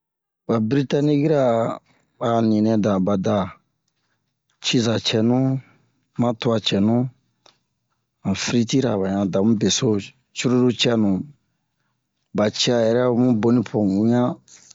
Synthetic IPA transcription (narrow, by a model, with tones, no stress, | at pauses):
ba˨bɾi˦ta˦nĩ˦ki˦ɾa˨ | ba˨nĩ˨nɛ̃˨dã˨ba˨da˨ | t͡ʃi˦za˨t͡ʃɛ˨nũ˦ | mã˦tu˦a˧t͡ʃɛ˨nũ˦ | ã˨fɾi˦ti˦ɾa˨βa˨ɲã˨da˨mũ˦be˨so˦ | t͡ʃu˦ɾo˦du˦t͡ʃɛ˦nũ˨ | ba˨t͡ʃi˦a˨jɛ˨ɾɛ˦˨˦mũ˦bo˦nĩ˦pʰõ˨u˦ɲã˦